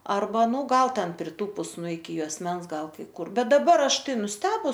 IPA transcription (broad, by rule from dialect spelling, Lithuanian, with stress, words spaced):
ɐrˈbɐ ˈnuː ˈɡɐlˠ ˈtʲɛn pʲrʲɪˈtuːpʊs nʊ ɪkʲɪ juɔsʲˈmʲɛns ˈɡɐlˠ kɐɪ ˈkʊr ˈbʲɛt dɐˈbɐr ˈɐʃ ˈtɐɪ nʊsʲˈtʲæːbʊs